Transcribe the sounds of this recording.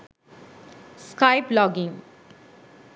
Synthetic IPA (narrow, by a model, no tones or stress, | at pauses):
skaɪplɔɡɪ̃ŋ